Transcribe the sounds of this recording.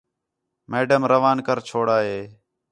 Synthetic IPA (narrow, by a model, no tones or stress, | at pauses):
meːɖəmɾəʋaːnkəɾt͡ʃʰoːɽaːɦeː